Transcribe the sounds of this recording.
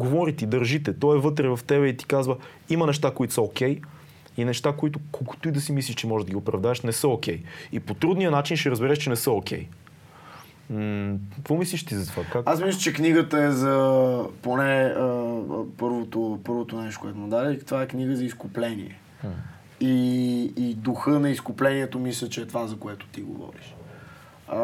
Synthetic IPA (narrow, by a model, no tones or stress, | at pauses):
ɡovɔɾit̪id̪əɾʒit̪ɛt̪ɔɛvɤt̪ɾɛvɐft̪ɛbɛit̪i̥kazvə | imɐnɛʃt̪akoit̪ʊ̥sɛokʲɛj | inɛʃt̪akoit̪ʊkoku̥t̪uid̪ɐsimislʲiʃt͡ʃɛmɔʒɛʒd̪ɐɡiopɾɐvd̪aɛʃnɛsəokʰʲɛjipot̪ɾud̪nijənat͡ʃinʃɛɾəzbɛɾɛʃt͡ʃɛnɛsəokʰʲɛ̰j | k̪vɔmisliʃt̪izɐt̪vakaasmislˠət͡ʃɛkniɡət̪əɛzɐponɛəpɤɾvot̪opɤɾvot̪onɛʃt̪koɛt̪ʊmod̪aɾɛikt̪ovaɛkniɡəzɐiskʊplɛnḭɛ̰ | iː | d̪uxɤnɐiskʊplɛniɛt̪omislʲət͡ʃɛːt̪vazɐkoɛt̪ʊ̥t̪iɡo̰vɔ̰ɾḭʃ